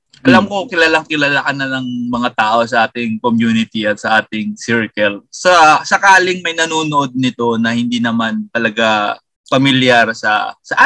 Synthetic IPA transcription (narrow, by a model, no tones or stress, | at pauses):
ʔɐlamkokɪlaːlaŋkɪlaːlakʔanɐlɐŋmɐŋat̪aːʔo̞sɐʔaːt̪ɪŋkomjuːnɪt̪iʔɐt̪̚sɐʔaːt̪ɪŋsɪɹkɛlsɐsɐkaːlɪŋmɐjnɐnuːnoʔo̞d̪̚nɪt̪o̞nɐhɪnd̪iːnɐmant̪ɐlɐɡa | pɐmɪljaɾsɐ̰sɐʔa